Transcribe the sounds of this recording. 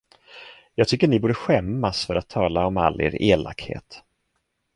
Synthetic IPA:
jɑːɡ̚t̪ʰʏkːəɳɪbuːɖəɧɛmːasfœɾat̪ʰːɑːlaɔma̰lːḛːɾeːla̰khḛːt̪

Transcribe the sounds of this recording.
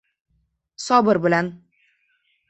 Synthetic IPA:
sɒbɨɾbɪlæn

